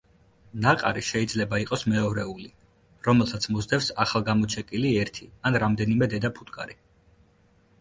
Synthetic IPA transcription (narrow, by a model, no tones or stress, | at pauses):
naqʼa̰ɾiʃɛid̪zlɛbaiqʼɔsmɛɔɾɛuli | ɾɔmɛlˠsat̪sʰmɔzd̪ɛfsaχalˠɡamɔt͡ʃʰɛkʼiliɛɾt̪ʰianɾamd̪ɛnimɛd̪ɛd̪apʰut̪ʼkʼa̰ɾi